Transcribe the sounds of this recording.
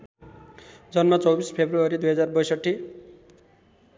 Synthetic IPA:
d͡zʌnmat͡sʌwbispʰebruʌɾid̪ujɦʌd͡zarbʌjsʌʈʰːi

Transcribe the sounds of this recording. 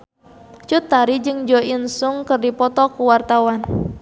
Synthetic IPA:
t͡ʃut̪aɾid͡ʒɨŋd͡ʒɔinsuŋkɨrdipɔt̪ɔkuwart̪awan

